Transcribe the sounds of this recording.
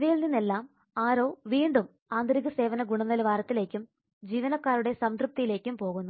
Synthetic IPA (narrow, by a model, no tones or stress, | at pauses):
ʋijilninːe̞lːaːm | aːɾo̞ːʋiːɳɖum | aːnd̪ɾiɣɐse̞ːʋɐnɐɡuɳɐnːɐlʋaːɾɐt̪ːile̞ːkʲːum | d͡ʑiːʋɐnɐkːaːɾuɽe̞sɐmt̪ɾup̚t̪ijile̞ːkʲːumpo̞ːɣunːu